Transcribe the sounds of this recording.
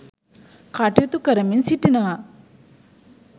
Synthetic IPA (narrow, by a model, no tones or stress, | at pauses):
kaːʈit̪ukɐɾɐminsiʈːinɐʋa